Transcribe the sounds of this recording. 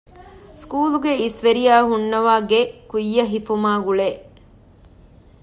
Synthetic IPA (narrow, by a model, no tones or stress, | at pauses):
skuːluɡeisʋeɾiaːɦunːɐʋaːɡekujːɐɦifumaːɡuɭeː